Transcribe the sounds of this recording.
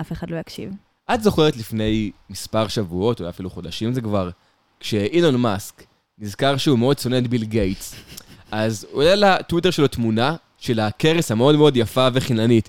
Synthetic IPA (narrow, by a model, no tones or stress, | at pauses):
ʔafeχadlo̞jakʃḭv | ʔatzo̞χe̞ʁet̪lifne̞jmispaʁʃavuo̞tolajafiluχo̞d̪aʃimzekvaʁ | kʃe̞ʔilonmask | nizkaʁʃeumeo̞d̚t͡so̞net̪̚bilɡe̞jtsazolelatwite̞ʁʃelot̪muna | ʃe̞lakeʁeshameo̞dmeo̞djafaveχinanit